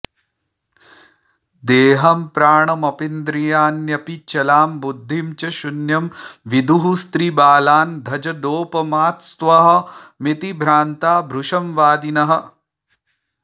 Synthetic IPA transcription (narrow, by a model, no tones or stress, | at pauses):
d̪eːɦɐmpɾaːɳɐmɐpind̪ɾijaːnjɐpit͡ʃɐlaːmbud̪ʱːimt͡ʃɐʃunjɐmʋid̪ʱuɦust̪ɾibaːlaːnd̪ʱɐd͡ʒɐd̪oːpɐmaːt̪st̪ʋɐɦɐ̆mit̪ibʱɾaːnt̪aːbʱɾuʂɐmʋaːd̪inɐɦɐ̆